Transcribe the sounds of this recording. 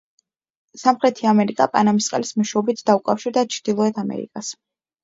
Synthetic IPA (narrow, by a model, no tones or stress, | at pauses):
samχɾɛt̪ʰiamɛɾikʼapʼa̰namist̪sqʼɛ̰lismɔʃɛɔbit̪ʰd̪aukʼafʃiɾd̪at͡ʃʰɾd̪̥ilˠɔɛt̪ʰamɛ̰ɾḭkʼas